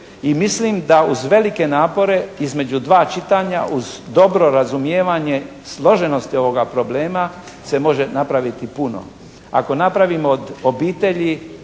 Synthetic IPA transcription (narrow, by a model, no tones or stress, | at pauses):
imislimd̪auzʋe̞like̞naːpo̞ɾe̞izme̞d͡ʑud̪ʋaːt͡ʃit̪aːɲa̰ʔuzd̪o̞bɾo̞ɾazumjeːʋaɲe̞ | slˠo̞ʒe̞no̞st̪io̞ʋo̞ɡapɾo̞bleːma | se̞mo̞ʒe̞napɾaʋit̪ipuno̰ | a̰ko̞napɾaʋimoːd̪obiːt̪e̞ʎi